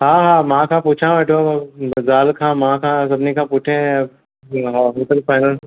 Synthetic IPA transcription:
ɦãːɦãːmãkʰãpuːt͡ʃʰãɛːʈʰazaːlkʰãmãkʰãsɐbnekãpuːʈʰẽ | ɦɦoːt̪əɾpaːɪnəl

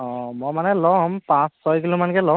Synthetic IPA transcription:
ɔ̃mɔmanɛlɔmpãsːɔjkilumankɛlɔ

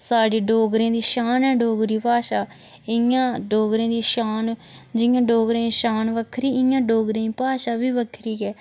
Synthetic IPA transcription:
saːɖeːɖoːɡɾẽːd̪iːʃaːnɛːɖoːɡɾiːpaːʃaː | ɪjãːɖoːɡɾẽːd̪iːʃaːnd͡ʒɪjãːɖoːɡɾẽːʃaːnʋəkʰɾiːɪjãːɖoːɡɾẽːĩːpaːʃaːbiːʋəkʰɾiːɡɛː

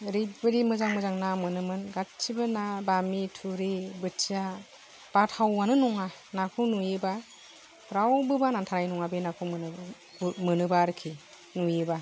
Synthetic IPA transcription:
ɾibɯɾimɯzaŋmɯzaŋnamɯnɯmɯnɡaibɯnabamitʰuɾebɯtʰija | b̥atʰhawːanɯnɔŋanakʰɯnujeba | ɾawbɯbanantʰaɾajnɔŋabenakʰɯwm | mɯnɯbaɾkʰi | nujeba

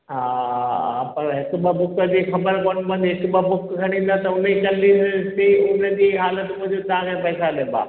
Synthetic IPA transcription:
ɦaːapɐɾɦɪkɓəbʊkəd͡ʑiːxɐbəɾkoːnbɐ̃nd̪ɦɪkbəbʊkɡʰʱɐɽ̃ĩːn̆d̪at̪ɐʊn̤ikɐlːiːsiʊnəd͡ʑiːɦaːlət̪mʊ̃ɦd͡ʑot̪ɐʋ̤ãkʰẽpɐːsaleba̰ː

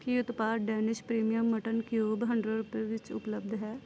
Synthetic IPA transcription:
kiʊt̪paːɾɖɛːnɪʃpɾiːmijəmːəʈənkjoːbɦəɳɖɾeɾʊpeːʋɪt͡ʃʊ̰pləb̚d̪ɦɛː

